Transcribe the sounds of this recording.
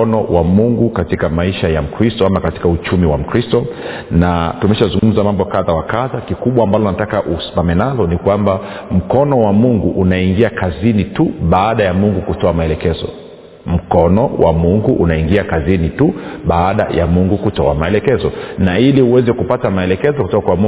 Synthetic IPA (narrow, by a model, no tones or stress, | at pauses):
ɔnɔwʔamuŋɡukatikamaiʃajam̩kɾistɔamakati̥kaut͡ʃumiwam̩kɾistɔ | natumɛʃazuŋɡum̩zamambɔkaðawakaðakikuɓwaːmbalɔnatakaʔusi̥mamɛnalɔnikwamba | m̩kɔnɔwamuŋɡuʔunaiŋɡiakazinituɓaːɗajamuŋɡukutɔamaɛlɛkɛzɔ̰ | m̩kɔnɔwʔa̰muŋɡuʔunaiŋɡiakazinituɓaːɗa̰ja̰muŋɡukutɔamaɛlɛkɛzɔnailiuwɛzɛkupatamaɛlɛkɛzɔku̥tɔkakwamu